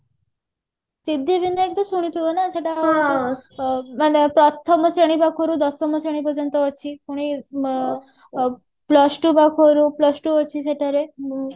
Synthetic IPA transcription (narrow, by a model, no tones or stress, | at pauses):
sid̪ʱːibineek̚t̪ɔsuɽ̃it̪ʰuənaseʈa | manepɾɔt̪ʰɔmsəɽ̃ibakʰoɾud̪ɔsɔməsəɽ̃ipəd͡ʑənt̪ɔɔt͡ɕʰipuɽ̃i | plɔsʈubakʰoɾuplɔsʈuɔt͡ɕʰiseʈaɾe